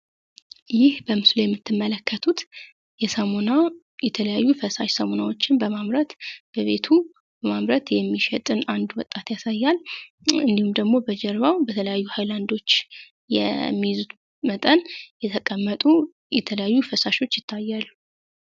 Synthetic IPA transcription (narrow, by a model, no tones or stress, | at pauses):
jɪhbəmɨslojɛmːɨt̪ʰːɨmːələkʰːət̪ʰut̪ | jɛsəmonaw | jɛt̪ʰələjajːufəsaʃsəmonawo̞t͡ʃːɪnbəmamɾət̪b̥əβe̞t̪ʰu | bəmamɾət̪jɛmːiʃɛt̪ʼɨnand̪wɔt̪ʼːat̪jasajːal | ɨnd̪ihumd̪əɡmo̞bəd͡ʒɛɾβawbət̪ʰələjajːuhajland̪o̞t͡ʃː | jɛ̰mːijzut̪ | mət̪ʼənjɛt̪ʰəkʼəmːət̪ʼu | jɛt̪ʰələjajːufəsaʃo̞t͡ʃːjɪt̪ʰːajːalːu